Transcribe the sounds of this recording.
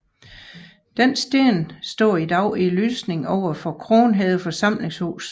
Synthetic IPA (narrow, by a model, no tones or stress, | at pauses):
d̥ensd̥eɐnsd̥ɒ̰ːid̥ɑ̈ʊiløːsne̝ŋɒʊ̰ɐfɒ̽kʰʁo̝ːnɦɛðˠəfɒ̽sɑ̈m̰le̝ŋsho̰ːs